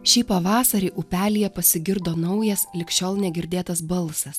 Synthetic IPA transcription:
ʃʲiːpɐʋɑːsɐɾʲɛɪʔʊpʲæːlʲɪjɛpɐsʲɪɡʲɪɾd̪oːnɐʊjɛslʲɪkʃʲoːlˠnʲɛɡʲɪɾʲd̪ʲeːt̪ɐsbɐlˠsɐs

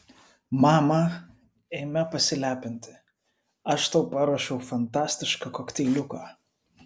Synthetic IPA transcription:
mɑːmɐ | eːmʲɛpɐsʲɪlʲæːpʲɪnʲt̪ʲɪ̥ | ɐʃt̪ɐʊpɐɾɐʃʲɛʊfɐnt̪ɑːsʲt̪ʲɪʃkɐkɔkt̪ʲɛːlʲʊkɑː

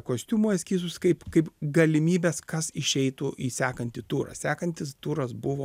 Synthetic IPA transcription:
koːsʲt̪ʲuːmuːɛsʲkʲiːsʲʊsʲkɐɪpkɐɪpɡɐlʲɪmʲiːbʲɛskɐsɪʃʲɛɪt̪uʔiːsʲæːkɐnʲt̪ʲɪt̪uːɾɐ̰sʲæːkɐnʲt̪ʲɪst̪uːɾɐsbʊʋoː

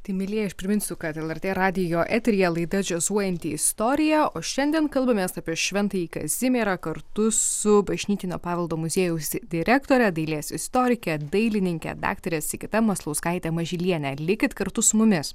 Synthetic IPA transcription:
t̪ɐɪmʲɪlʲiɛɐʃpʲɾʲɪmʲɪnʲsʲʊkɐt̪ɛlˠɛɾʲt̪ʲeːɾɑːd̪ʲɪjoːʔɛt̪ʲɾʲɪjɛlˠɐɪd̪ɐd͡ʒʲɛzuɔjɛnʲt̪ʲiɪst̪oːɾʲɪjæoːʃʲɛnʲd̪ʲiɛnkɐlˠbɐmʲeːsɑːpʲiɛʃʲʋʲɛnt̪ɐiːkɐ̰zʲɪmʲeːɾɐkɐɾt̪ʊsʊbɐʒʲnʲiːt̪ʲɪnʲoːpɑːʋʲɛlˠd̪oːmʊzʲeːjɛʊsd̪ʲɪɾʲækt̪oːɾʲɛd̪ɐɪlʲeːsɪst̪oːɾʲɪkʲɛd̪ɐɪlʲɪnʲɪŋʲkʲɛ̰d̪ɑ̰ːkt̪ɐɾʲeːsɪkʲɪt̪ɐmɐslˠɐʊskɐɪt̪ʲɛmɐʒʲɪlʲiɛnʲɛlʲɪkʲɪt̪kɐɾt̪ʊsʊmʊmʲɪs

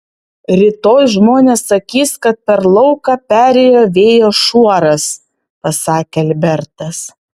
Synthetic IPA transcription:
ɾʲɪt̪oːjʒmoːnʲeːsːɐkʲiːskɐt̪̚pʲɛɾlˠɒʊkɑpʲæːɾʲeːjoːʋʲeːjoːʃuɔɾɐs | pɐsɑːkʲeɐlʲbʲɛɾt̪ɐs

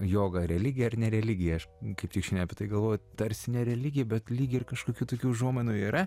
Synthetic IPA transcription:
joːɡɐɾʲɛlʲɪɡʲɪjɛɐrnʲɛɾʲɛlʲɪɡʲɪjɛɐʃkɐɪpt̪ʲɪkʃʲɪnʲɛɐpʲɪt̪ɐɪɡɐlˠʋoːjʊt̪ɐɾʲsʲɪnʲɛɾʲɛlʲɪɡʲɪjɛbʲɛt̪lʲiːɡʲɪɪrkɐʃkoːkʲuːt̪oːkʲuːʒuɔmʲɛnuiːɾɐ

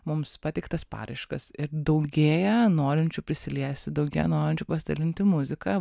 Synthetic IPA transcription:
mʊmspɑːt̪ʲɛɪkt̪ɐspɑ̰ːɾɐɪʃkɐsɪɾd̪ɐʊɡʲeːjɛnoːɾʲɪnʲt͡ʃʲʊpʲɾʲɪsʲɪlʲiɛsʲt̪ʲɪd̪ɐʊɡʲeːjɛnoːɾʲɪnʲt͡ʃʲʊpɐsʲɪd̪ɐlʲɪnʲt̪ʲɪmʊzʲɪkɑ

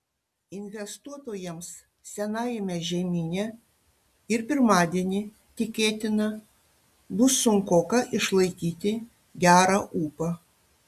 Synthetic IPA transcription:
ɪnʲʋʲɛst̪uɔt̪oːjɛms | sʲɛnɑːjɛmʲɛʒʲɛmʲiːnʲɛ | ɪɾpʲɪɾmɑːd̪ʲiɛnʲɪ | t̪ʲɪkʲeːt̪ʲɪnɐ | bʊsʊŋkoːkɐʔɪʃlˠɐɪkʲiːt̪ʲɪ | ɡʲæːɾɑʔuːpɐ

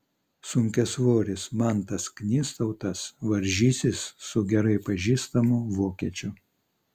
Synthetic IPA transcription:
sʊŋʲkʲɛsʋoːɾʲɪsmɑˑnt̪ɐsknʲiːst̪ɐʊt̪ɐsʋɐɾʲʒʲiːsʲɪsːʊɡʲɛɾɐɪpɐʒʲiːst̪ɐmʊʋoːkʲiɛt͡ʃʲʊ

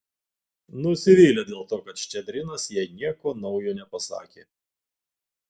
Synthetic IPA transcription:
nʊsʲɪʋʲiːlʲed̪ʲeːlˠt̪oːkɐt̪ʃʲt͡ʃʲɛd̪ʲɾʲɪnɐsjiɛnʲiɛkoːnɒʊjoːnʲɛpɐsɑ̰ːkʲeː

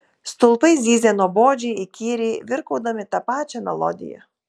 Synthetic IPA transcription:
st̪ʊlˠpɐɪzʲiːzʲɛnoːboːd͡ʒʲɛɪɪkʲiːɾʲeːʋʲɪɾkɐʊd̪ɐmʲɪt̪ɐpɑːt͡ʃʲɛnɛ̰lˠɔ̰d̪ʲɪ̰jɛ̰

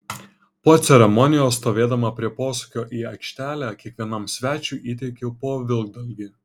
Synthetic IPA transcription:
poːt̪sʲɛɾʲɛmɔnʲɪjoːsːt̪oːʋʲeːd̪ɐmɐpʲɾʲiɛpoːsukʲoːʔiːɐkʃʲt̪ʲæːlʲækʲiɛkʋʲiɛnɐmsʲʋʲæːt͡ʃʲuːˑʔiːt̪ʲɛɪkʲopoːʋʲɪlˠɡ̚d̪ɐlʲɡʲiː

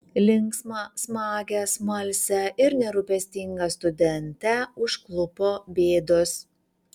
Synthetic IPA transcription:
lʲɪŋksmɐsmɑːɡʲɛsmɐlʲsʲɛʔɪɾnʲɛɾʊpʲɛsʲt̪ʲɪŋɡɐst̪ʊd̪ʲɛnʲt̪ʲɛʊʃklˠʊpoːbʲeːd̪ʊs

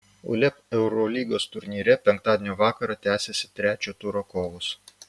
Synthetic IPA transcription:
ʊ̰lʲɛpɛʊɾɔlʲiːɡoːst̪ʊɾʲnʲiːɾʲɛpʲɛŋk̚t̪ɑːd̪ʲeːnʲoːʋɑːkɐɾɑt̪ʲæːsʲesʲɪ̥t̪ʲɾʲæːt͡ʃʲoːt̪uːɾoːkoːʋʊs

